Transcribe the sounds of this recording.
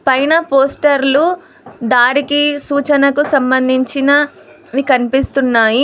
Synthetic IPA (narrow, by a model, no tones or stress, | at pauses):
pɐjnɐpoːsʈɐɾlu | d̪aːɾikisuːt͡ʃɐnɐkusɐmbɐnd̪ʱiɲt͡ʃinɐ | ʋikɐnipist̪unːaːji